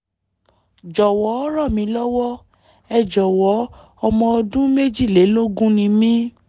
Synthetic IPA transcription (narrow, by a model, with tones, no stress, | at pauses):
d͡ʒɔ˨wɔ˨˦ɔ˦ɾɔ˦˨mĩ˨˧˦lɔ˦wɔ˦ | ɛ˧˨d͡ʒɔ˨wɔ˨˦ | ɔ˧mɔ̃˧ɔ˧dũ˦me˦d͡ʒi˦˨le˨˦lo˦ɡũ˦nĩ˧mĩ˦